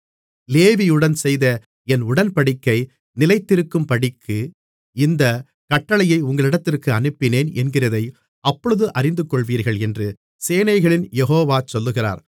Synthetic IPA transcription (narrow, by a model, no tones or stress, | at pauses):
leːʋijɯɽɐnsɛjðɐ | ɛnʊɽɐnpɐɽɪkːɐɪ | nɪlɐɪt̪ːɪɾɯkːɯmpɐɽɪkʰːɯ | ɪnd̪ɐ | kɐʈːɐɭɐjɐɪʊŋɡɐɭɪɽɐt̪ːɪrkɯɐnɯpːɪneːnɛnɡɪrɐðɐɪ | ɐpːɔɻɯðɯʔɐrɪnd̪ɯkːɔɭʋiːɾɣɐɭɛndrɯ | seːnɐɪɣɐɭɪnjɛɦoːʋaːt͡ʃɔlːɯɣɪra̰ːɾ